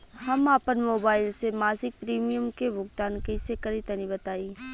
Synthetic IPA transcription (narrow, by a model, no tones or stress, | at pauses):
hɐmaːpənmoːbaːɪlsemaːsɪk̚pɾiːmijəmkebʊɡt̪aːnkɐɪsekɐɾit̪ɐnibɐt̪aːiː